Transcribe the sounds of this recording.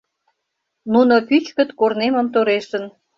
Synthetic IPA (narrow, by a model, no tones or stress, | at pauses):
nuno̽pyt͡ɕkə̆t̪korneməmt̪oɾeʃən